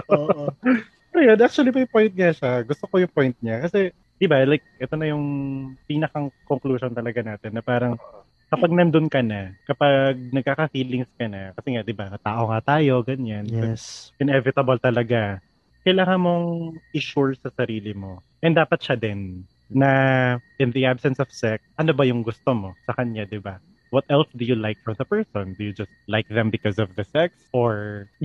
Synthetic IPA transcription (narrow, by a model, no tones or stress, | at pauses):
ʔoʔ | pɛɾɐjanʔak̚t͡ʃ̪wɐlipɐjpo̞jnt̪̚ŋaʃaɡʊst̪o̞ko̞jʊŋpo̞jnt̪̚ɲakɐsɛ | d̪̥ɪbalajk̚ʔɛt̪o̞nɐjʊŋpiːnɐkɐŋkoŋkluːʃont̪ɐlɐɡanaːt̪ɛnːɐpaːɾɐŋ | kɐpɐɡ̚nɐnd̪onkɐnakɐpaɡ̚nɐɡ̚kaːkɐfiːlɪŋskɐnɐkɐsɛŋad̪ɪbaɐt̪aːʔo̞ŋat̪aːjo̞ɡɐɲanpɛsʔɪnɛvɪt̪ɐbɐlt̪ɐlɐɡa | kɐjlaːŋɐnmo̞ŋʔɪʃuɹsɐsɐɾiːlɪmo̞ | ʔɛnd̪aːpɐt̪̚ʃad̪ɛnː | ɐʔɪ̃nðiʔabsɛnsɔv̥sɛk̚sʔɐnobɐjʊŋɡʊst̪omo̞sɐkɐɲɲad̪ɪba | wɔt̪ɛlsd̪ʊjʊlajk̚fɹɐmðɐpɛɹsɔ̃nd̪ʊjʊd͡ʒɐst̪̚lajk̚ðɛmbɪkɔsɔvðɐsɛksʔoɹ